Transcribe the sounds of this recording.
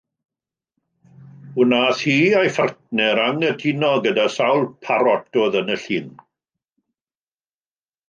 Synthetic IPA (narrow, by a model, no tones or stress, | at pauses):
ʊnaːθhiːajfartnɛɾaŋədʰinɔɡədasawlˠpʰaɾɔt̚d̥oːðənəɬiːn